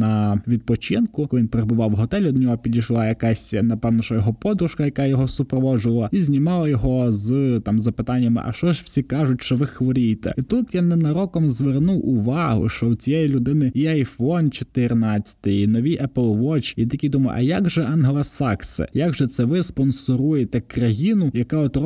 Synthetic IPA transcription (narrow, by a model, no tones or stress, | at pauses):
nɐʋʲid̪̚pɔt͡ʃɪnkʊkɔlˠɪʋinpeɾebʊʋɑwɦɔt̪ɛlʲɔd̪nʲɔɦɔpʲid̪ʲijʃlˠɑjɐkɑsʲnɐpɛwnɔʃt͡ʃɔjɔɦɔpɔd̪ɾʊʃkɐjɐkɑjɔɦɔsʊpɾɔʋɔʒʊʋɐlˠɐizʲnʲimɑlˠɐjɔɦɔzt̪ɑmzɐpɪt̪ɑnʲːɐmɪ̰ʔɐ̰ʃt͡ʃɔʃw̥sʲikɑʒʊtʲʃt͡ʃɔʋɪxʋɔɾʲijt̪ɛ̰it̪ut̪janɛnɐɾɔkɔmzʋernuwʔʊʋɑɦʊ̰ʃt͡ʃɔʊt͡sʲijɛjilʲʊd̪ɪnɪiɐjfɔnt͡ʃɔ̥t̪ɪrnɑt͡sʲːɐ̥t̪ɪjinɔʋʲiʔɛplˠʋɔt͡ʃid̪ʲikʲid̪umɐj̰ʔɐ̰jaɡʒɛʔɑnɦɛlˠɐsɑksɪ̰jaɡʒɛt̪sɛʋɪspɔnsɔɾujet̪ɛkrɐjinʊjɐkaɔt̪r